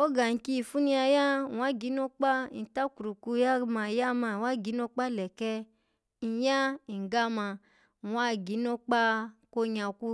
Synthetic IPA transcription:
o˦ɡa˨ŋ̩˨ki˦˨fu˦nĩ˧a˧ja˦˨wa˦ɡi˨˦no˦k͡pa˦i˨ta˦ku˨ɾu˨ku˧˦ja˦˧ma˧˨ja˦ma˧˨wa˦˨ɡi˨˦no˧k͡pa˦˨lɛ˨kɛ˧ | i˨˦ja˦i˨ɡa˦mã˧˨ | a˦˨ɡi˨˦no˦k͡pa˦ko˧ɲa˨ku˧

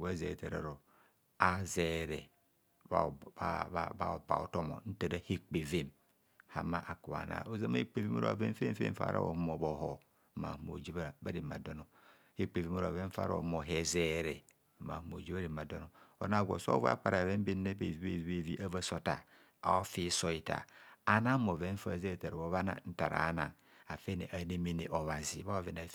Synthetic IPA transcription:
a˦ze˨te˨ɾa̰˨ɾo˨ | a˦ze˨ɾe˨ | a˨a˨ba̰˨ba̰˨o̰˨to˦mo̰˨n̩˦ta˨da˦he˦k͡pe˨ve˦m | ha̰˨ma˦ʔa˨ku˨wa̰˨na̰˨o˦za˦ma˦e˦k͡pe˨ve˦mo̰˦ɾo̰˨a̰˨ve˦m˦fḛ˦fḛ˦ɱ̩˦fa̰˨ɾʔa̰˦o̰˨hmo˨bo˨ɦo˨ | ma̰˨hmo̰˨d͡ʒi˦βba˦ɾi˨ma˨do˦no˨ | e˦k͡pe˨vi˦mo˦ɾve˦fa̰˦ɾa̰˦o̰˨hmo˨ɦe˨ze˦ɾe˨ | ma̰˨hmo˨d͡ʒi˦ba˦ɾi˨ma˨do˦no˨o̰˨na˦˨ɡo̰˨so̰˦vo˦a̰˦k͡pa˨ɾa˨ve˦m˦be˦nːe˦be˨vi˦be˦˨vi˦be˦˨vi˦ʔa˦va˦so˦ta̰˨ | a̰˨o˦fi˦so˦i˨ta̰˨a˨na˦mo˨ve˦ɱ̩˦fa˦˨ze˦ɾe˨te˨ɾo˦βa˦na̰˨n̩˦ta˨ɾa̰˨a̰˦na̰˨ŋ | a˨fe˦nḛ˨ʔa˨ne˦me˨ne˨ʔo˨βa˨zi˨˦βa˦a˨ve˨na˨˦

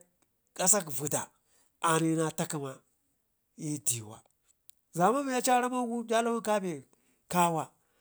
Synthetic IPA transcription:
ka˦sa˦kvu˨da˨ | a˨ni˨na˦ta˦ki˦ma˨ | ji˦ti˨wa̰˨ | za˨ma˦mi˨˦ja˦t͡ʃa˦ɾa˦ma˦wu˦dʲa˦la˦wu˦nka˦be˨ | ka˦wa˦

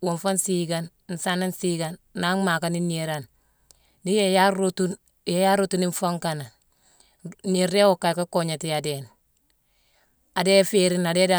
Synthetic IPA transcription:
wo˨ɱfa˦nsiɡan | n̩˨sa˦na˦nsiɡanːa˦ŋma˨ka˦ni˦niɾan | di˦jejautu | jeja˦ɾutuni˦ɱfo˦ŋkana˨ | ni˨ɾde˦wo˨ka˨jka˦ko˨ɲa˨ti˨jaden | a˨deː˦feɾina˨de˦da

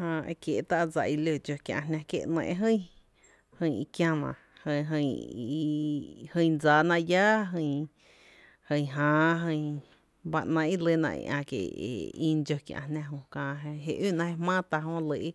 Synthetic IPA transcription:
hã˧ʔḛ˧kje˧˨˧t̪a˦ʔd͡za˧ʔi˧lo˧˨d͡ʒo˧kjã̰˧˨ɦnã˧kjḛ˧˨˧nɛ̰̃˧ʔe˧ɦə̃˦ | hɨ̃˧ji˧kjã˧nã̰˧˨ | hə˧ɦə̃˧˨˧ | hə̃˧jd͡zaː˧˨nã˧ʔja˦ɦə̃˧˨ | hə̃˧˨ɦãː˧ɦə̃˧j | ba˧nã˧i˦lə˧˨nã̰˧ʔḭ˧ʔã̰˧kḛ˨ḛ˨ĩ˧d͡ʒo˧kʲjã̰˧hnã˧ɦõ˧kãː˧e˧ɦe˧ʔyː˦˨ʔnã˧he˧mãː˦t̪a˧ɦõ˧˦lə˧ʔi˦

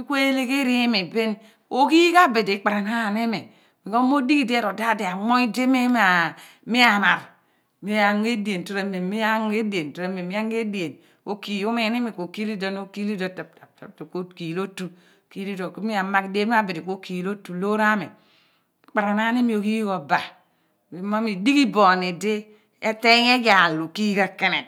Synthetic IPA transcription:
i˦kʷe˦le˦ke˦ɾi˦e˦me˨be˦n | o˦ki˦ka˦be˨de˨˦k͡pa˨ɾa˨na˦˨ne˦me˨ | mi˨ko˦mo˦di˦ki˦de˦ɾo˨da˦de˨a˨ŋo˦i˦de˦me˦m˦a˨ | mi˦a˨ma˨ɾ | mi˦a˨ŋ˦e˦de˨nto˦ɾe˨me˨mi˦a˦ŋ˦e˦de˨n˨to˨ɾe˦me˨mi˦a˦ŋ˦e˦di˨e˨n | o˦ki˨o˦me˦˨˦ni˦mi˨ko˨ki˦li˦do˦n˦o˦ki˦li˦do˨ta˨p̚ta˨p̚ta̰˨p̚tu˨ko˦ki˨lo˦tu˨ | ki˦li˦do˨kmi˦a˨ma˦kde˦mi˦a˦bi˨ɾi˨ko˦ki˨lo˦tu˨lo˦ɾa˦me˨ | k͡pa˨ɾa˨na˦ni˦mi˦o˨ki˦jɡo˨ba˨ | i˨ma˦mi˨di˦ki˦bo˨ne˨de˦ | e˦te˦e˦ja˨lu˨ki˦ka˨ke˦ne˨t

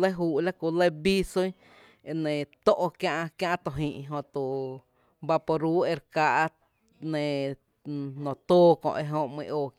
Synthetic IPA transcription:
le˦ɦuː˧˨ʔla˦ku˧le˦bi˦so˦j | e˧nẽ˨t̪o˦ʔo˧kjã˧ʔkjã˦ʔt̪o˧ɦĩː˨ʔɦõ˧t̪u˨ | ba˧po˧ɾuː˦e˧ɾka˧ʔ | nẽ˨ | nõ˨t̪oː˦kɔ̰̃˧ʔe˧ɦõ˧ʔmḭ̃˧ʔoː˧

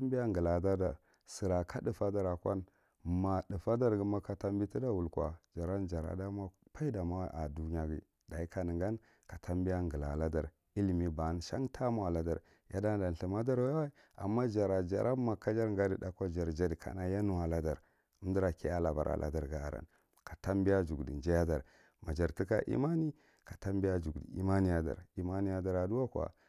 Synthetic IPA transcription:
a˦mbi˦ja˦ŋɡə˨la˨da˦da˨ | si˨ɾa˨ka˦də˨fa˦da˦ɾa˨kʷa̰˦n | ma˨di˨fa˦da˦ɾɡi˦ma˦ka˨ta˦mbi˦ti˦da˦wu˨lkʷa̰˨d͡ʒa˨ɾa˦nd͡ʒa˨ɾa̰˨da˦ma˦pa˦i˦da˨ma˦wa˦ʔa˨du˦ɲ˦a˦ɡḭ˨ | da˨i˦ka˨nə˨ŋɡa˦n | ka˨tʰa˦mbi˦ja˦ŋɡə˨la̰˨la˦da˨ɾ | i˦lmi˦ba˨˦n˨ʃa˦ŋtʰa˦mu˦˨a˨la˦da̰˨ɾ | ja̰˦da˦da˨n˨ɬi˨ma˦da˦ɾwa˦ | a̰˨mːa˦d͡ʒa˨ɾa˨d͡ʒa̰˨ɾʔa˦ma˨ka˦d͡ʒa˦ɾŋɡa˦di˨da˦kʷa˦d͡ʒa˨ɾd͡ʒa˦dkʰa̰˨na˦ja˦nu˦wa˨la˦da˨ɾ | u˦m˦di˦ɾa˨ke˦a˦la˨ba˨ɾa̰˨lʔa̰˨da˨ɾɡa˨a˨ɾa̰˨n | ka˨ta˦mbi˦ja˦d͡ʒu˨ɡdi˨nd͡ʒa˦ja˦da˨ɾ | ma˨d͡ʒa˨ɾti˦ka̰˦ʔḭ˦ma˦ni˦ | kḁ˨ta˦mbi˦a˦d͡ʒu˨ɡdḭ˨ḭ˦ma˦ni˦ja˨˦da̰˨ɾi˦ma˦ni˦ja˦da˨ɾa˨du˦wa˦kʷa̰˨

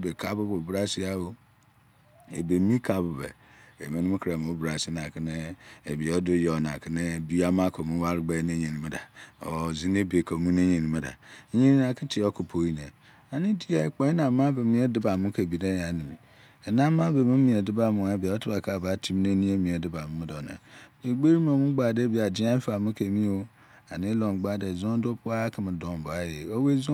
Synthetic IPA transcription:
be˨kʰa˦bʊ˦bo˨bɾa˦si˦a˦wo˦ | ḛ˨be˨mĩ˦kʰa˨bʊ˨bɛ̰˨ | ḛ˨mẽ˨nʊ̃˦kʰɾa˨m̃˨o˦bɾa˨si˦nã˨kʰɪ˦nɪ̃˦e˨bi˨ɔ˦dʊ˦jɔ˨nã̰˨kʰɪ˦nɪ̃˦˨bi˦a˦mã˦kʰɔ˨mũ˦wa˦ɾɪ˨ɡ͡ba˦nẽ˦ɲe˨nĩ˨m˨da̰˨ɔ̰˨zi˦ne˦be˨kʰo˨mũ˦nẽ˦ɲẽ˨nĩ˨˦ma˨da̰˨˦ɲẽ˦nĩ˦na˨kʰɪ̃˦tʰɪ˨˦ɔ˦kʰʊ˨pʰo˨˦i˦nẽ˨ | a˨nɪ̃˦di˦a˨˦k͡pɔ̃˨˦i˦nã˨˦mã˦be˨mĩ˦ɛ˦dɪ˦ba˨mʊ̃˦kʰe˨bi˨dã˦ja˨˦nĩ˨mĩ˨ | ɛ˨nã˦mã˦be˨mã˦mĩ˨ɛ˨dɪ˦ba˨mʊ̃˨a˦bi˨a˨ɔ˦tʰɪ˦ba˨kʰa˦˨ba˨˦tʰi˦m˦nẽ˦nĩ˦e˦mĩ˨ɛ˨dɪ˦ba˨m̃˦mʊ̃˦dɔ˨nã̰˨e˨ɡ͡be˦ɾi˦mã˨mʊ̃˦ɡ͡ba˨de˦bi˦˨a˨dɪ˦ã˦fa˨mʊ̃˦kʰe˨mĩ˦o˦ | a˨nɪ̃˦lɔ̃˨ŋ˨ɡ͡ba˦˨dɛ˨zɔ̃˦do˦pʰʊ˦a˦kʰɪ˨mɪ̃˨dɔ̃˨m˨bʊ˨a˦jɛ˨o˦we˦zʊ˦

